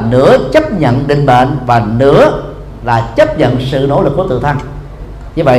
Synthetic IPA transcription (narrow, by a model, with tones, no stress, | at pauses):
nɨ̰˧˥ət͡ɕə˦˥p̚ɲə̰˧˨nɗï˧˨ŋ̟ɓə̰˧˨nvaː˨˩nɨ̰˧˥ə | laː˨˩t͡ɕə˦˥p̚ɲə̰˧˨nsɨ̰˧˨no̰˧˥lɨ˨˩k̚ːu˧˩˦t̪ɨ̰˧˨t̪ʰa˧ŋ | ɲɨ˧və̰˧˨